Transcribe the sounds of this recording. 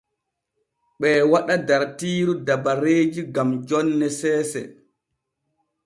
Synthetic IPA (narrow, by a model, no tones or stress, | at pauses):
ɓɛːwaɗadaɾtiːɾudabaɾeːd͡ʒiɡamd͡ʒɔnːɛsɛːsɛ̰